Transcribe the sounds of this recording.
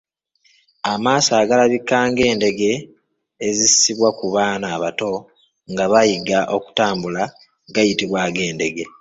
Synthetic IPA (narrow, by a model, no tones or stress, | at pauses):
amaːsaːɡalaβikːaːŋɡe̞ːnde̞ɡe̞ː | zisisiβwakuβaːnaːβato̞ | ŋɡaβajiɡaʔo̞ku̥taːmbula | ɡajitiβwaɡe̞ːnde̞ɡe̞